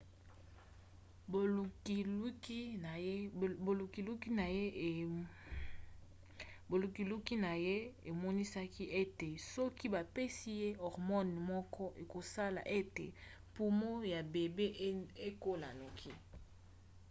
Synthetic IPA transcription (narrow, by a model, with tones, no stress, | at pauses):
bo˨˦ki˦˨ | u˨ki˨lu˦ki˦na˨je˦˨ | bo˨lu˨ki˨lu˦ki˦na˨je˦e˨mɔ˦ni˦sa˦ki˦ʔe˦te˨sɔ˦ki˦ba˨pe˦si˦je˦ɔ˨ʁmɔ˦n˨mɔ˦kʰɔ˦ʔe˨ko˨sa˦la̰˨ʔe˦tḛ˨ | pu˦mo˦ja˨be˨be˦e˦ko˦la˨na˨kʰi˦